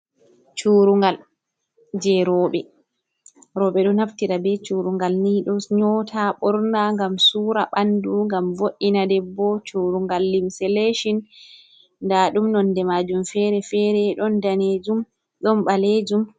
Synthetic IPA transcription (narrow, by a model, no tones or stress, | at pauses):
t͡ʃuɾuŋɡal | d͡ʒɛɾɔːɓɛ | ɾɔːɓɛɗɔnaftiɾabɛt͡ʃuɾuŋɡalniɗɔɲɔtʰaɓɔɾnaŋɡamsuːɾaɓanduŋɡamvoʔːinadɛbːɔt͡ʃuːɾuŋɡalːimsɛleʃin | ndaːɗumnɔndɛmad͡ʒumfɛɾɛfɛɾɛɗɔndaned͡ʒum | ɗɔnɓaled͡ʒum